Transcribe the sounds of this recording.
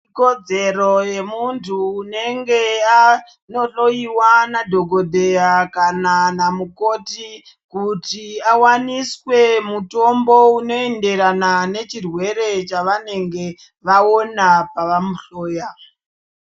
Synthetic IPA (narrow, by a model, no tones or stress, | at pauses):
ikod͡ze̞ɾo̞je̞muntʰuːne̞ŋɡe̞a | no̞ɬo̞iwanadʱo̞ɡʱo̞dʱe̞jakananamuko̞ti | kutiawaniswe̞muto̞mbo̞uno̞e̞nde̞ɾanane̞t͡ʃirwe̞ɾe̞t͡ʃaʋane̞ŋɡe̞ | ʋao̞napaʋamuɬoːja